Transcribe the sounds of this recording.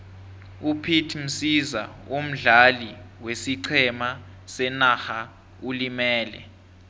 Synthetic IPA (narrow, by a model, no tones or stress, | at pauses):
upʰitʰm̩siza̰om̩ɮaliwesiǀʰɛma | sɛnaxa | ulimɛːlɛ̰